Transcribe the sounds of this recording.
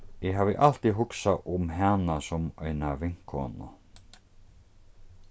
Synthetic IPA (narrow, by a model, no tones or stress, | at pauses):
jɛɦaːvɪʔal̥t̪iɦʊksaʔʊmɦanasɔmœɥnavɪŋ̥kʰɔ̰ːnʊ̰